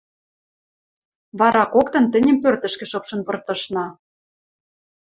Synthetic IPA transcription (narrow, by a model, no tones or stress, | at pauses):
βɑɾɑkokt̪ɤ̆nt̪ɘ̆nʲə̆mpørt̪ə̆ʃkɘ̆ʃɤpʃɤ̆npɤ̆rt̪ɤ̆ʃnɑ